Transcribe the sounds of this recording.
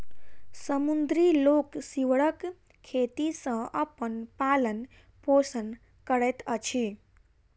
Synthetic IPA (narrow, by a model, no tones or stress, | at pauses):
səmund̪ɾiloksiwɽək | kʰːet̪isə̃əpənpalən | posən | kəɽɛt̪ət͡ʃʰi